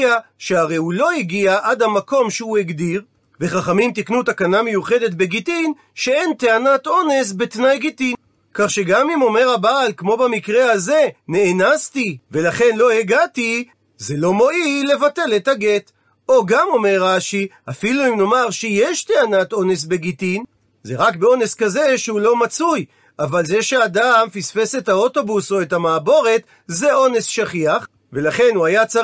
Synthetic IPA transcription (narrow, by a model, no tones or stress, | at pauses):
aʃehaʁejulo̞iɡiaʔad̪hamako̞mʃeueɡd̪iʁ | ve̞χaχamimt̪̬iknut̪akaname̞juχe̞det̪̚be̞ɡitin | ʃee̞nt̪eanat̪o̞ne̞s̬bet̪najɡitin | kaχʃeɡamimo̞me̞ʁabaːlkmo̞bamikʁeaze̞ne̞ːnastive̞laχe̞nlo̞heɡati | zelo̞mo̞ʔile̞vate̞lethaɡet̪ | o̞ɡamo̞me̞ʁaʃi | afiluimno̞maʁʃejeʃt̪eanat̪o̞ne̞s̬be̞ɡitin | zeʁakbeo̞ne̞skazeʃehulo̞mat͡suj | avalzeʃeadamfisfesetao̞to̞buso̞etamaːbo̞ʁe̞t̪ | zeo̞ne̞sʃaχiaχ | ve̞laχe̞nuajat͡sa